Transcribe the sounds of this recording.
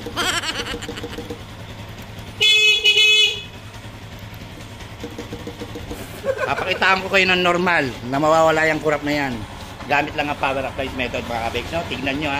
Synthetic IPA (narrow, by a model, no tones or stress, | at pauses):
papɐkɪt̪aːoŋkokɐjonɐŋnoɾmalnɐmɐwaːwɐlaːjɐŋkʊɾɐp̚nɐjan | ɡaːmɪt̪lɐŋɐpaːwɛɾɐplajsmɛːt̪od̪̚mɐkakɐbɛknot̪ɪɡ̚nɐnɲoa